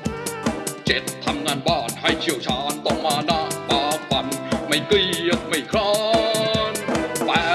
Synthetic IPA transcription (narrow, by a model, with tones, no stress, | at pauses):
t͡ɕe˨˧˥t̪̚ʰːa˧mŋaː˧˩nɓɔː˧˩nha˧˩jt͡ɕi˧˩əwt͡ɕʰɔ˧˩nt̪o˨˧˩ŋ͡mmaː˧˩nɔ˧˥ɓɔː˧˩ɓa˨˩nma˨˧˩jki˧˩ət̪̚ma˨˩jkʰɾɔ˧ | nɓaː˧˩